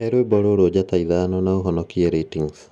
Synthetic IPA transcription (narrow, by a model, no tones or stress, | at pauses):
ɛɾwebɔɾoɾod͡ʑataiðanɔnaoɦɔnɔkieɾetiŋs